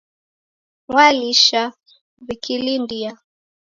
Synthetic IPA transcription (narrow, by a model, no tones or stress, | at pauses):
waliʃa | βikilindia